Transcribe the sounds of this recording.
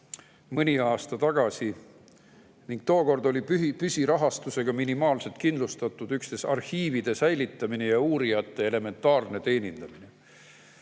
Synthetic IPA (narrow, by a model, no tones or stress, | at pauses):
mɤnʲiɑːst̪ɑt̪ɑɡ̥ɑsi | niŋɡ̥̚t̪o̞ːko̞rd̪o̞lʲiypysʲiɾɑɦɑst̪use̞ɡ̥ɑminimɑːlset̪̚kind̪lust̪ɑt̪ːˑud̪ykst̪e̞sɑ̰rhiːvid̪̥e̞sæjlit̪ːˑɑminejɑuːɾijɑt̪ˑːe̞ele̞me̞nt̪ːˑɑːrne̞t̪e̞ːnʲind̪̥ɑmine